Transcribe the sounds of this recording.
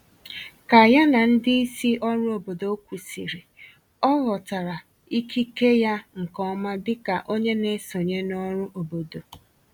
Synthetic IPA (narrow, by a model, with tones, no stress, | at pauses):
ka˨ja˦na˨n̩˦dɪ˦i˦si˦ʔɔ˦ɾʊ˦o˨bo˨do˨˦kʷu˨si˨ɾi˨ | ɔ˦ɣɔ˨ta˨ɾa˨ | i˦kʰi˦ke˦ja˦ŋ̩˨kɔ˦ma˦dɪ˦ka˨ʔo˦ɲe˦ne˦so˨ɲe˦nɔ˦ɾʊ˦ʔo˨bo˨do˨